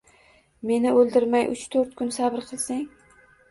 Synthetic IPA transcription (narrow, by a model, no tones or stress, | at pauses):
me̞nɪolˠd̪ɪɾmajʔʊ̰t͡ʃt̪ʰɵɾt̪̚kʰʊnsabɪɾqʰɨlˠsaŋ